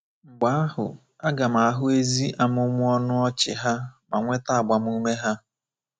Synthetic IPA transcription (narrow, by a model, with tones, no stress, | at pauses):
ŋ͡m̩˨ɡ͡ba˨˦a˦hʊ̰˨ | a˦ɡa˨m̩a˨a˨ɦʊ˦e˦zi˦ʔa˨m˦ʊ˦mʊ˦ɔ˦nʊ˦ɔ˦t͡ʃɪ̰˨ɦa˦ma˨ŋʷe˦ta˦a˨ɡ͡ba˨m̩˦u˦me˦ɦa˦